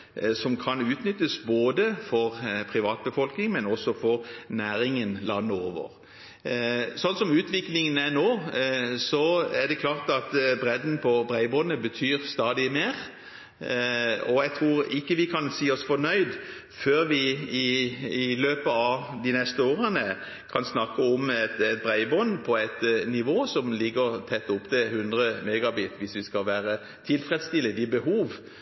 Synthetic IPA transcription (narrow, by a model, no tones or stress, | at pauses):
sɔmkʰɑnʉːt̪nʏt̪ːəsboːd̪əfɔʁpʰʁɪʋɑːt̪̚bəfɔlknɪŋmɛnɔsɔfɔʁnæːɾɪŋənlɑnːəo̰ːʋə̰ʁ | sɔnːsɔmʉːt̪ʰʋɪklɪŋənæʁnoːsɔæʁd̪ɛkʰlɑːʁt̪ɑt̪bɾɛd̪n̩pʰɔbʁæɪbɔnːəbət̪ʰyːʁst̪ɑːd̪ɪmeːʁ | ɔjæɡt̪ʰʁuːʁɪkːəʋɪkʰɑnsiːɔsfɔnœʏd̪ | føːʁʋɪɪː | løːpəɑʋd̪ɪnɛst̪əoːʁənə | kʰɑnsnɑkːəɔmɛt̪ɛt̪̚bɾæɪbɔnːpʰɔæɪt̪nɪʋoːsɔmlɪɡəʁt̪ʰɛt̪ːʊpːt̪ʰɪhʉnd̪ʁəmɛɡɑbiːt̪ʋɪsʋɪskɑlʋæːɾə | t̪ʰɪlfɾɛt̪st̪ɪləd̪ɪbəɦuːʋ